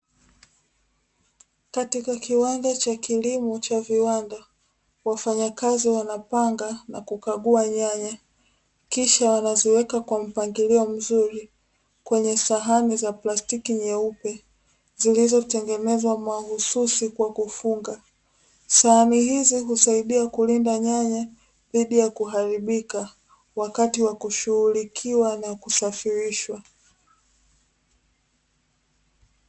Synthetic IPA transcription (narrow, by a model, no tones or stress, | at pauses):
katikakiwandat͡ʃakilimɔt͡ʃaviwanda | wafaɲakaziwanapaŋɡanakukaɠuaɲaɲa | kiʃawanaziwɛkakwam̩paŋɡiliɔm̩zuɾi | kwɛɲɛsaɦanizaplastikiɲɛupɛ | zilizɔtɛŋɡɛnɛzwamahususikwakufuŋɡa | sahanihiziɦusaiɗiakulindaɲaɲa | ðiɗijakuɦaɾiɓika | wakatiwakuʃuhulikʰiwanakusafiɾiʃwa